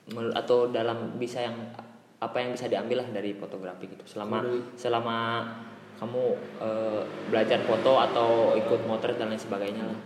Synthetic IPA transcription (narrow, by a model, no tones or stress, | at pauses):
məa̰t̪awdalambisajaŋ | apajaŋbisadiambɪlahdaɾifot̪oɡɾafiɡit̪u̥səlamasəlama | kamuəbəlad͡ʒarfot̪oat̪awikʊt̪̚mot̪əɾ̚dalamɲasəbaɡajɲalah